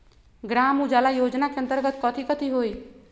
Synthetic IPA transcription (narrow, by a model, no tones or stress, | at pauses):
ɡɾaːmud͡ʒaːlajoːd͡ʒnakeə̃nt̪əɾɡət̪kɔt̪ʰikət̪ʰiɦoi